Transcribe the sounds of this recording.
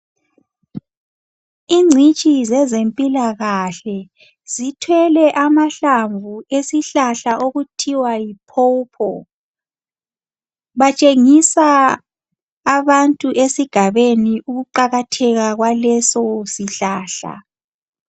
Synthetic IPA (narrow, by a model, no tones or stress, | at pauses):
iŋ͡ǀʱit͡ʃʼizɛzempʼilaɣaɬɛ | z̥itʰwɛlɛʔamaɬaɱvuesiɬaɬaʔoɣutʰiwajipʰopʰɔ | βat͡ʃʼeŋisa | βantʼuʔesiɡ̥ʱaβeniʔuɣuǃaɣatʰɛɣaɣwalɛsɔsiɬaːɬa̰